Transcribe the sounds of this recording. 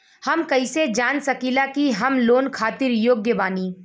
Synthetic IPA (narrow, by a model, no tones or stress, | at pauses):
hɐmkɐised͡ʒaːnsɐkilakiɦɐmloːnkʰaːt̪ɪɾjoːɡjəbaːniː